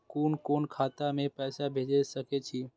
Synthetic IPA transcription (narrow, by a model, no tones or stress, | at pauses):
koːnkonkʰaːt̪amẽpɛːsabʱed͡ʒed͡ʒsəket͡ʃʰiː